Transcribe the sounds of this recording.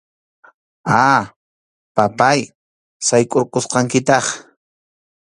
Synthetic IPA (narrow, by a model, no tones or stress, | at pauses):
a | papaj | sajkʼoɾqosqɑŋkɪt̪ɑχ